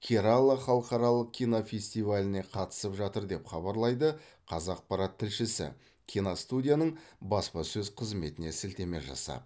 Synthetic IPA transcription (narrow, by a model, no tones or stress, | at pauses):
kʲʰiɾalˠəχɑlˠəqɑɾɑlˠəq̚kʲijnafʲesʲt̪ijvalʲɪne̞qʰɑt̪ə̥səpʒɑt̪əɾd̪e̞pχɑbɑɾlˠɑjd̪ə | qʰɑzɑq̚pɑɾɑt̪ʰːɪlʃɪsɪ̰ | kʲʰijnast̪udʲijanəɴbɑspɑsɵzqʰəzme̞t̪ɪne̞sɪlt̪e̞me̞ʒɑ̰sɑ̰